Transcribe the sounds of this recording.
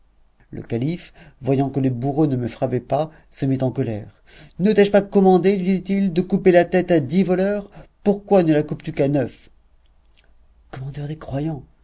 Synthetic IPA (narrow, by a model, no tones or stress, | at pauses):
lə̰kalifvwajɑ̃kələbuʁonəməfχapɛpa | səmit̪ɑ̃kɔlɛ̰ʁ | nt̪ɛʒpakɔmɑ̃d̪elɥid̪it̪ild̪əkupelat̪ɛt̪ad̪ivɔlœʁpuʁkwanəlakupt̪ykanœf | kɔmɑ̃d̪œʁd̪ekχwajɑ̃